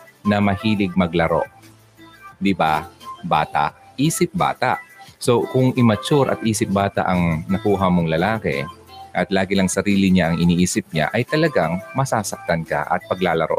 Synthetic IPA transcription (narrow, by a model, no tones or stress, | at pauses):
nɐmɐhiːlɪɡ̚mɐɡlɐɾo̞̰ʔ | d̪ɪbaba̰ːt̪a̰ʔʔiːsɪp̚ba̰ːt̪ɐ̰ʔso̞kʊŋʔɪmɐt͡ʃʊɾʔɐ̰t̪ʔiːsɪp̚baːt̪a̰ʔɐŋnɐkuːɦɐmoŋlɐlaːkɛ̰ʔɐt̪laːɡɪlɐŋsɐɾiːlɪɲaʔɐŋʔɪniʔiːsɪp̚ɲa̰ʔɐjt̪ɐlɐɡaŋmɐsaːsɐk̚t̪ɐnka̰ʔɐ̰t̪̚pɐɡlaːlɐɾo̞̰ʔ